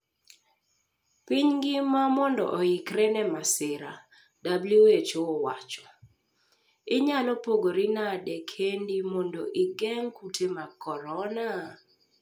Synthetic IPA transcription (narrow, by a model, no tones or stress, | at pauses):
piɲɡɪmamɔndɔ̰ʔɔjɪkɾɛnɛmasɪɾa | dabluet͡ʃoɔwa̰t͡ʃɔ̥ | ɪɲalopoɡoɾinadɛkʰendimɔndoʔɪɡɛŋkutʰemakɔɾɔna